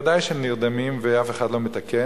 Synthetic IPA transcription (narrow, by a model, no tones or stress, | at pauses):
d̪ajʃehemniʁd̪amimveafe̞χad̪lo̞met̪ake